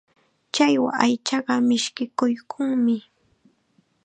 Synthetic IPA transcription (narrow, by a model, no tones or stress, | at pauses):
t͡ʃajwa̰ajt͡ʃɑɢɑmɪʃkɪkʊjkʰʊŋmɪ